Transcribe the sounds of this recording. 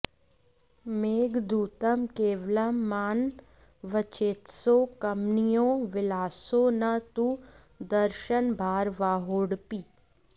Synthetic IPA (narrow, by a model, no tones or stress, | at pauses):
meːɡd̪uːt̪əmkeːʋləmːaːn | ʋət͡ʃeːt̪soːkɐmnijõːʋɪlaːsonɐt̪u | d̪əɾʃənbʱaːɾʋaːɦoːɽpiː